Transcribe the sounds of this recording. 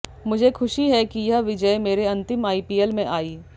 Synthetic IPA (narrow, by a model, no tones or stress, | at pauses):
mʊd͡ʒʱekʰʊʃiɦɛkijɐɦʋɪd͡ʒəemeːɾeɐ̃nt̪ɪmaːipiːelmẽʔaːiː